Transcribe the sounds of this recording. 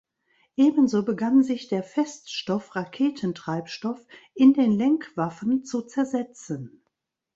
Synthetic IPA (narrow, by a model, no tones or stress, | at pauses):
ʔeːbən̩zoːbəɡanzɪçd̥eːɐfɛstʃtɔfʁakʰeːtʰən̩tʁ̥aɪpʃtɔfʔɪndeːnlɛŋkv̥afənt͡sut͡sɛɐzɛt͡sən